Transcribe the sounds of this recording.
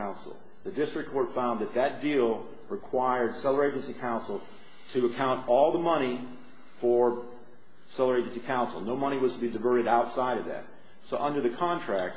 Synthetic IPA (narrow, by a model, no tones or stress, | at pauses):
ãʊ̃nsl̩ˠ | ðɨdɪstɹ̥ɨkʰɔɹtfãʊ̃nðɨt̪̚ðɨt̚d̥ilˠ | ɹɨkʰw̥aɪə˞d̥sɛlˠə˞eɪd͡ʒɨ̃n̩sikʰãʊ̃nsl̩ˠ | tʰɨəkʰãʊ̃ntɔlˠðəmʌɾ̃i | fə˞ | sɛlˠə˞eɪd͡ʒɨnsikʰãʊ̃nsl̩ˠnoʊmʌɾ̃iwʌz̥tʰəbidɨvɜ˞ɾɨɾaʊtsaɪɾʌvðɨ̰t̚ | soʊʔʌ̃ndə˞ðɨkʰɑ̃ntʰɹ̥æk̚t